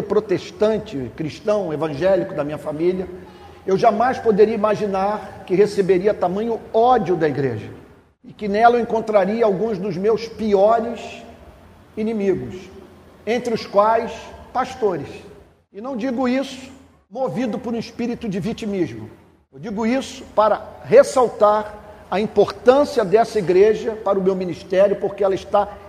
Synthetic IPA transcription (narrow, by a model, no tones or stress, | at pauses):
pɾot̪eʃt̪ɐ̃nt͡ʃɪkɾiʃt̪ɐ̃w̃evɐ̃ʒɛlikʊd̪ɐmĩɲɐfamiliɐ | ewʒamajspod̪eɾiɐimaʒinaɾkɪhesebeɾiɐt̪amɐ̃ɲʊɔd͡ʒiʊd̪ɐiɡɾḛʒɐ̰ | ɪkɪnɛlɐẽkõnt̪ɾaɾiɐawɡũzd̪ʊzmewspiɔɾɪs | inĩmiɡʊsẽnt̪ɾɪʊskwajspaʃt̪oɾɪs | ɪnɐ̃w̃d͡ʒiɡʊisʊ̥ | movid̪ʊpoɾũispiɾit̪ʊd͡ʒɪvit͡ʃimizmʊ̰ | ewd͡ʒiɡʊisʊ̥paɾɐɦesawt̪aɾɐĩpoɾt̪ɐ̃siɐd̪ɛsɐiɡɾeʒɐpaɾʊmewminiʃt̪ɛɾʲjʊpoɾkeɛlɐɪʃt̪a